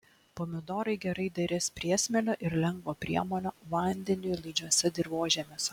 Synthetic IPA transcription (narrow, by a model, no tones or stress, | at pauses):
pɔmʲɪd̪ɔːɾɐɪɡʲɛɾɐɪd̪ʲɐɾʲɪspʲɾʲiɛsʲmʲɛlʲoːʔɪɾlʲɛŋɡʋoːpʲɾʲiɛmoːnʲoːʋɐˑnʲd̪ʲɛnʲʊjlˠɐɪd͡ʒʲuɔsʲɛd̪ʲɪɾʋoːʒʲɛmʲeːs